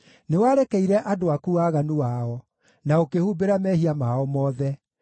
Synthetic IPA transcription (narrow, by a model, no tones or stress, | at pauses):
newaɾɛkɛiɾɛʔadoakuaːɣanuwaɔ | naokehuːbeɾamɛhiamaɔmɔːðɛ